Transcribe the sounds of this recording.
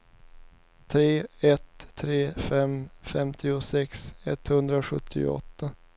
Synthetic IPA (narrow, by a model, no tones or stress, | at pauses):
t̪ʰɾeːɛt̪ʰːɾeːfɛmfɛmt̪ʰɪʊsɛksɛ̰t̪ːhɵnd̪ɾaɧɵt̪ʰːɪ̰ɔ̰t̪ːa